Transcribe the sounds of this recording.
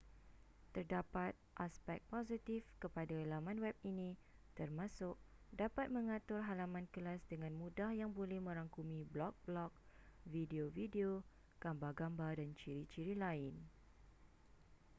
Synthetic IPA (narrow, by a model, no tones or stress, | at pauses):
t̪ərdapat̪̚ʔaspɛk̪̚pozit̪ifkəpadaəlamãnwɛp̚inĩt̪ərmãsʊʔ | dapat̪̚mə̃ŋãt̪ʊrɦalamãnkəlasdəŋãnmũdahjaŋbolɛhmə̃ɾaŋkumĩblɔk̚blɔk̚videovideo | ɡ̥ambaɡambadant͡ʃiɾit͡ʃiɾilaɪn